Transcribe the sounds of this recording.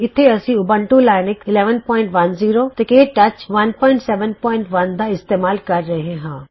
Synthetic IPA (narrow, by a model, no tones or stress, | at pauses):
ɪt̪ʰeɐsĩʊbə̃ɳʈulaːɪnɪkɪlɛːʋənpɔːɪ̃ɳʈʋɐnziːɾot̪ɐkeːʈɐt͡ʃʋɐnpɔːɪ̃ɳʈsɛːʋənpɔːɪ̃ɳʈʋɐnd̪aːɪst̪eːmaːlkɐɾːɐɦẽɦãː